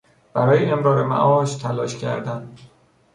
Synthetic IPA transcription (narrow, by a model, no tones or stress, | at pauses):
b̥æɾɒːjeemɾɒːɾemæ̰ʔɒːʃt̪ʰælɒːʃcʰæ̰ɾd̪æn